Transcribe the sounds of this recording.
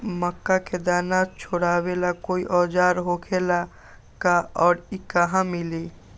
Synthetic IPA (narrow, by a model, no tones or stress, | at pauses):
məkːaked̪aːnat͡ʃʰoɽaːwelakoːiʔɔːd͡ʒaːɾɦokʰela | kaɔːɾikaɦãmɪliː